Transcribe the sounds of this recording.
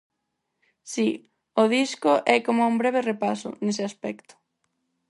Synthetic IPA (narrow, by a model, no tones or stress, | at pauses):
si | oð̞iskoʔɛkomʊauŋbɾɛβ̞erepasʊ̰nesɪaspɛkt̪ʊ̥